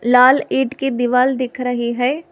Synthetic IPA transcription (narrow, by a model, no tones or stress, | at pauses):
laːliːʈkid̪ɪʋaːld̪ɪkʰɾɐɦiɦɛː